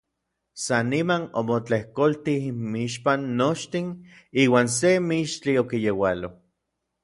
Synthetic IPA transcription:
sanːimanomot͡ɬehkolt̪iimiiʃpanːot͡ʃt̪in | iːwaːns̬emiʃt͡ɬiokijewalo

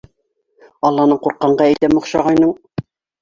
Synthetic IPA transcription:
ɑlˠːɑnɤɴquɾqːɑɴɢɑæjt̪æmŏχʃɑʁɑjnɤɴ

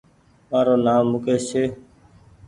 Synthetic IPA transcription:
maːɾoːnaːmːʊkeːseː

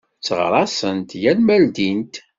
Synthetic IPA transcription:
t͡sːʁɾˤɑsənt̪jælmæld̪int̪

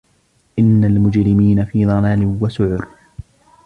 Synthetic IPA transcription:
ʔɪnːalmʊd͡ʒɾɪmiːnafiːðˤɑlaːlɪwasʊʕʊɾ

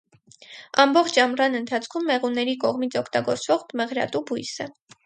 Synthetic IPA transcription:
ɑmbɔχt͡ʃʰɑmrɑnənt̪ʰɑt͡sʰkʰumːɛʁunːɛɾikɔʁmit͡sʰɔkʰt̪ɑɡɔɾt͡svɔʁmɛʁɾɑ̰t̪ubujsə

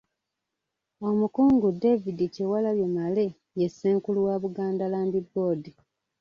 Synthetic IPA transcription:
o̞mukuːŋɡude̞vidicewalaβje̞male̞ | jesːeːŋkuluwaβuɡaːndalaːmbibːo̞ːdi

